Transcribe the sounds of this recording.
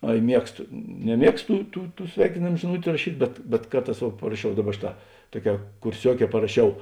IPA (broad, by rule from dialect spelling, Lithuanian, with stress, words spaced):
ˈɐɪ ˈmʲiɛkstoː nʲɛˈmʲiɛkstoː ˈtuː ˈtuː ˈtuː ˈsʲʋʲɛɪkʲɪnʲeːm ʒʲɪˈnʊtʲʊ rɐˈʃʲiːtʲ bʲɛt bʲɛt ˈkɐrˌtɑːs ʋuɔ pɐrɐˈʃʲɛʊ ˈdɑːˌbɐ ˈʃʲeːˌtɑː ˈtuɔˌkʲɛː kʊrʲˈsʲuɔˌkʲɛː pɐrɐˈʃʲɛʊ